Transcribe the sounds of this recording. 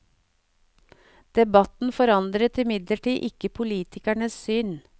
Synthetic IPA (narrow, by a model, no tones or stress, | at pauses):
d̪̥ɛbɑt̪n̩fɔɾɑnd̪ɾət̪ɪmɪd̪ləʈiːʔɪkəpʰʊliːt̪ʰɪkæɳəssʏn